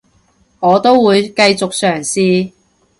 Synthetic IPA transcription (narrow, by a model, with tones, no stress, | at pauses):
ŋɔː˨˧t̪o˥wwuː˨˧jkɐ˧jt͡sʊ˨k̚sœː˨˩ŋsiː˧